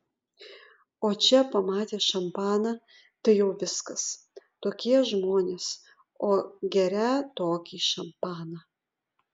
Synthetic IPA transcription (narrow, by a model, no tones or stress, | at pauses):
oːt͡ʃʲɛpɐmɑːt̪ʲeːʃɐmpɑːnɐ | t̪ɐɪjɛʊʋʲɪskɐs | t̪oːkʲiɛʒmoːnʲeːs | oːɡʲɛɾʲæt̪oːkʲiːʃɐmpɑːnɐ